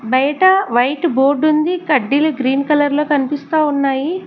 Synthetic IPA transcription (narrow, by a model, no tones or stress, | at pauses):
bɐjɐʈɐʋɐjʈbo̞ːɾɖund̪ikɐɖːiluɡɾiːnkɐlɐɾloːkɐnipist̪aːunːaːji